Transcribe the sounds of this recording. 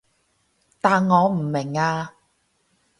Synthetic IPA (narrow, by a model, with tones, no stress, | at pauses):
t̪aː˨nŋɔː˨˧m̩˨˩mɪ˨˩ŋaː˧